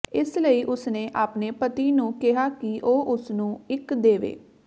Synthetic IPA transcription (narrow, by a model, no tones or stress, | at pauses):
ɪsləiːʔʊsneːʔaːpneːpət̪iːnũːkɪɦaːkɪʔoːʔʊsnũːɪkd̪eːʋḛː